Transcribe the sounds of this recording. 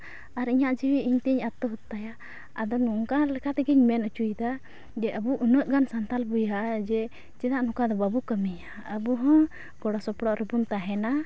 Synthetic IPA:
aɾiɲaʔd͡ʒiwiiɲt̪ɛiɲat̪ːɔɦut̪ːaja | ad̪ɔnuŋkalɛkʰat̪ɛɡɛɲmɛnət͡ʃujd̪a | d͡ʒɛʔəbuʔunəʔɡansant̪albujɦaʔad͡ʒɛ | t͡ʃɛd̪aʔnũkad̪ɔbabukəmiɲa | əbuɦɔ̃ | ɡ̥ɔɽɔsɔpɽɔʔɾəbunt̪aɦɛna

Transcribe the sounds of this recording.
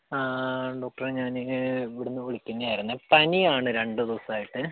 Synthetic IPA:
aːɖo̞ːk̚ʈɐreɲaːniʋiɽunːɨoɭikʲːunːɨajiɾunːɐpɐniaːɳɨɾe̞ɳɖɨd̪oːsaːjiʈːɨ

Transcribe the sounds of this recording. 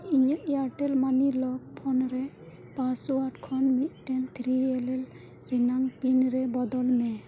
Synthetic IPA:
iɲaʔjaʈelmanilɔk̚pʰɔnɾɛ | pasuaʈkʰɔnmit̪̚ʈɛnt̪ʰɾielel | ɾinaŋpinɾɛbɔd̪ɔlmɛ

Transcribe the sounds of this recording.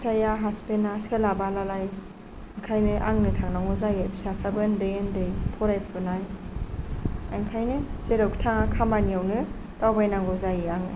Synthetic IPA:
sajaɦaspenaskelabalalaj | ŋkʰajnɯʔaŋnɯtʰaŋnaŋɔzajebsapʰɾabɯndɯjendɯjpʰɔɾajpʰɯnaj | a̰ŋkʰajnɯseɾɯktʰaŋakʰamaniawnɯ | tawbajnaŋɡɔzajiaŋnɯ

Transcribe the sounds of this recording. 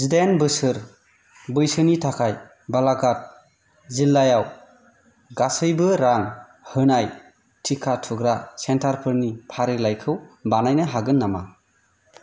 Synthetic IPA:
zidenbɯsɯɾ | bɯjsɯnitʰakʰaj | balaɡat̚ | zilːajaw | ɡasɯjbɯɾaŋ | hɯnaj | tʰikʰatʰuɡɾasentʰaɾpʰɯɾnipʰaɾilajkʰɯwbanajnɯɦaɡɯnːama̰

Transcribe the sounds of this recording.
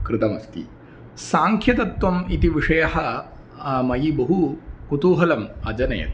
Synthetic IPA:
kɾɪt̪ɐmɐst̪ḭ | saːŋkʰjɐt̪ɐt̪ʋɐmit̪iʋiʂɐjɐhɐ | mɐjibɐɦukut̪uːɦɐlɐmɐd͡ʒɐnɐ̰jɐ̰t̪

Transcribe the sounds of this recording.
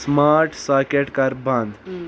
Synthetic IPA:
smaɾʈsaɾkeʈkaɾbãnd̪

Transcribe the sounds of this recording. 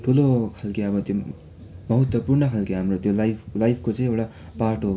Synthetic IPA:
ʈʰulokʰalkiʌbʌt̪jo | mʌɦʌt̪wʌpurɳʌkʰalkiɦamrot̪jolajpʰlajpʰkot͡sʌĩewʈa | paʈo

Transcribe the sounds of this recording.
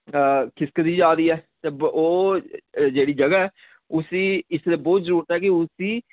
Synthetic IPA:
kʰɪskəd̪iːd͡ʒaːɾiːɛːt̪eːoː | d͡ʒeːɽiːd͡ʒəɡaːɛː | ʊsĩːɪsd̪eːbɔːt̪zəɾuːɾət̪ɦɛːkiʊsĩː

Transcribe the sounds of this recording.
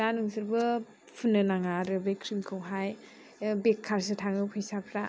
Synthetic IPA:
danɯŋsɯɾbɯ | pʰunːɯnaŋaɾɯbekʰɾimkʰɯwɦaj | bekʰːaɾsɯtʰaŋɯpʰɯjsapʰɾa

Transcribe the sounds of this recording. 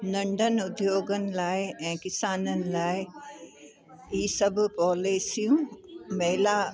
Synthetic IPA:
nɐ̃ɳɖʱənɪ̆ʊd̪joːɡənɪ̆laːɪɛ̃ːkɪsaːnənɪ̆laːɪ | iːsɐbʱpɔːleːsijũmɐɦɪla

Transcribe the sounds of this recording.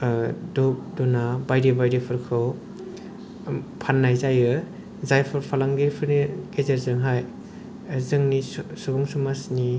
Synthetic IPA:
duk̚dunabajɾibajɾipʰɯɾkʰɯw | pʰanːajzajɯ | zajpʰɯɾpʰalaŋɡeɾpʰɯɾniɡezeɾzɯŋɦaj | zɯŋnisubɔŋsumasni

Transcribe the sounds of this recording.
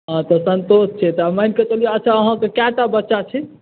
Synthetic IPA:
ɦãt̪ɔsənt̪ost͡ʃʰɛt̪ɔamajnket͡ʃəlijeət͡ʃʰaəɦãkekaʈabətːʃat͡ʃʰɛ

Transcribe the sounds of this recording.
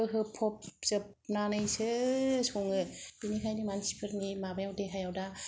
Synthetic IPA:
ɯɦɯpʰɔpzɯp̚nanɯjsɯsɔŋɯb̥inikʰajnimansi̥pʰɯɾnimabajawdeɦajawda

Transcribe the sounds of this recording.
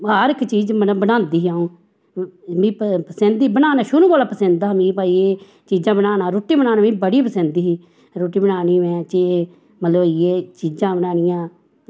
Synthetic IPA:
aɾɪkt͡ʃiːd͡ʒəbənãːnd̪iːaːũː | mĩːppəsə̃nd̪iːbənaːnaːʃʊɾũːkaːlaːpəsə̃nd̪aːmĩːpaːieː | t͡ʃiːd͡ʒãːbənaːnãːɾoːʈiːbənaːnãːmĩːbəɽiːpəsə̃nd̪iːɦiː | ɾoːʈiːbənaːniːmɛ̃ːt͡ʃe | mət̪ləbɪeːt͡ʃiːd͡ʒãːbənaːnɪjãː

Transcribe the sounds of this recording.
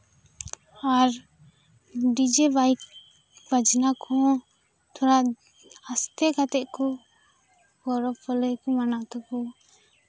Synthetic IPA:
aɾ | ɖid͡ʒebajk | bad͡ʒnakʰɔ̃ | t̪ʰɔɾaʔ | ast̪ɛkat̪ɛʔkɔ | ɡɔɾɔbɔləjkɔmanaʔt̪ɔkɔ

